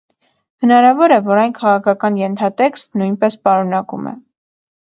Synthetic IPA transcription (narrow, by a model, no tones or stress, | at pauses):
hənɑɾɑvɔɾɛvɔɾɑjnkʰɑʁɑkʰɑkɑnjɛnt̪ʰɑt̪ɛkst̪nujnpɛspɑɾunɑkṵmɛ̰